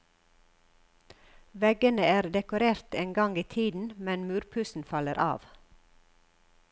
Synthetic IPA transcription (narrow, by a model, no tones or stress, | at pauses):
ʋɛɡənəæːɾd̪ɛkʊɾeːɾt̪eːnɡɑŋiːt̪ʰiːd̪n̩mɛnmʉːɾpʰʉsn̩fɑləɾʔɑ̰ːʋ